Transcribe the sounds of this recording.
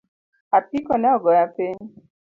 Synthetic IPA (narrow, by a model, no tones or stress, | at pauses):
apikɔnaɔɡɔjapen